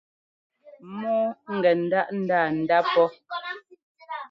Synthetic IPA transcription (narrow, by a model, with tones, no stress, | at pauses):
mɔ˦ŋ̩˨ɡɛ˨n̩˨da˦ʔn̩˦daː˦˨n̩˨da˦pɔ˦